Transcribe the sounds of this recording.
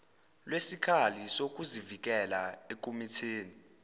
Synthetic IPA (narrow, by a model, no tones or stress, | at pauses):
lwesikʰalisok̬ʼuzivik̬ʼɛlaekʼomitʰeːni